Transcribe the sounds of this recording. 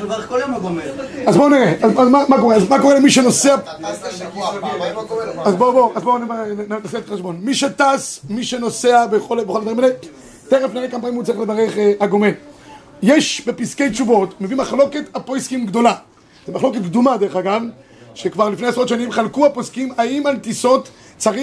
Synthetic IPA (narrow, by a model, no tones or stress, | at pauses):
koljomɡomazboniʁeʔazazmamakoeazmakoelemiʃenosea | oazboboazboniannaseeteʃbo̞nmiʃet̪asmiʃenoseabeχolbexolad̪vaʁimele | t̪eχefnejakampanimut͡saʁilevaʁeχeaɡo̞mel | jeʃbepiskejt͡ʃuvo̞tmevimaχlo̞ketapojskimɡd̪o̞la | zimaχlo̞ket̪̚kd̪umad̪eʁeχaɡav | ʃekvaʁlifnejasʁot̪ʃanimχalkuaposkimaimantiso̞t̪ | t͡saʁi